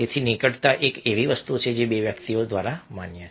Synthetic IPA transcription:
ɪt̪ʰinɪkəʈt̪aʔeːkeʋiʋəst̪ut͡ʃʰed͡ʒebeʋjəkt̪ijõd̪ʋaːɾama̰ːnja

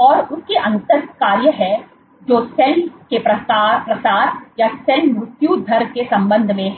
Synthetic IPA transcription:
ɔːɾʊskeʔɐ̃nt̪əɾkaːɾjəɦɛ | d͡ʒoːsɛnkepɾɐapɾɐsaːɾjasɛnmɾʊt̪jud̪ʱɐɾkesɐ̃mbə̃nd̪ʱmẽ

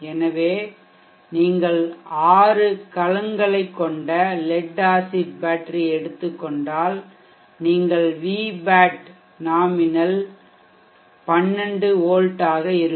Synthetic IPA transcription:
ɛnɐʋeː | niːŋɡɐɭaːɾɯkɐlɐŋɡɐɭɐɪkːɔɳɖɐlɛɖːaːsɪʈ̚baːʈːɐɾiɛɽɯt̪ːɯkːɔɳɖaːl | niːŋɡɐɭʋiːbaːʈ | naːmɪnɐl | pɐnːɛɳɖɯoːɻʈaːɣɐɪɾɯ

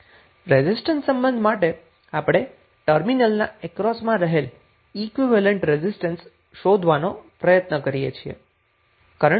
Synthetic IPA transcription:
ɾezisʈənsəmbənd̪ʱmaʈe | apɽ̃e | ʈəɾminəlna̰ɛkɾɔsmãɾəɦel | ikʋiʋəleɳʈɾezisʈəns | ʃod̪ʱʋanopɾəjət̪nəkəɾijḛt͡ʃʰiḛ | kaɾə

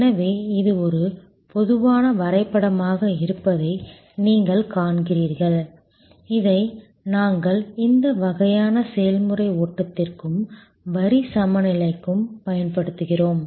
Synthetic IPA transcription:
nɐʋeːɪðɯɔɾɯ | pɔðɯʋaːnɐʋɐɾɐɪpːɐɽɐmaːɣɐɪɾɯpːɐðɐɪ | niːŋɡɐɭkaːɳkɪriːɾɣɐɭ | ɪðɐɪ | naːŋɡɐɭɪnd̪ɐʋɐɣɐjaːnɐsɛjɐlmɯrɐɪoːʈːɐt̪ːɪrkɯm | ʋɐɾisɐmɐnɪlɐɪkːɯmpɐjɐnpɐɽɯt̪ːɯɣɪroːm

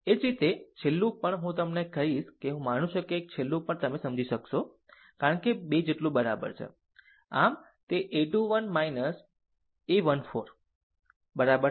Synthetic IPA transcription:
ed͡ʒɾit̪et͡ʃʰelːũpəɳɦũt̪əmnekəɦiʃkeɦũmanũt͡ʃʰokek̚t͡ʃʰelːũpəɳt̪əmesəmd͡ʒiʃəkʃo | kaɾəɳkebed͡ʒeʈlũbəɾa̰bə̰ɾt͡ʃʰḛ | am | t̪eʔeʈuʋənmainəs | eʋənfoɾ | bəɾabəɾ

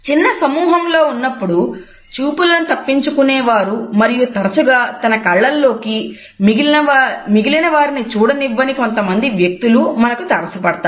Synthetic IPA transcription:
t͡ʃinːɐsɐmuːɦɐmlo̞ːunːɐpːuɽu | t͡ʃuːpulɐnit̪ɐpːiɲt͡ʃukunɛːʋaːɾumɐɾijut̪ɐɾɐsuɡaːt̪ɐnɐkɐɭːɐlːo̞ːki | iɐmiɡilinɐʋaːɾinit͡ʃuːɽɐniʋːɐniko̞nt̪ɐmɐnd̪iʋjɐk̚t̪ulumɐnɐkut̪ɐɾɐsɐpɐɽɐt̪aː

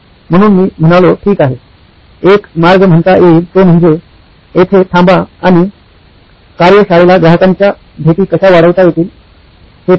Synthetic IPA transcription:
m̤əɽ̃uːnmiːm̤əɽ̃aʋloʈʰiːkaɦe | ekmaɾɡəm̤əɳt̪aʔiːɾt̪om̤əɳd͡ze | et̪ʰet̪ʰãmbaaɽ̃i | kaɾjəɕaɭelaɡɾaɦəkaɲt͡ɕja | bʱeʈiːkəɕaʋaɽəʋt̪ajet̪iːl | he

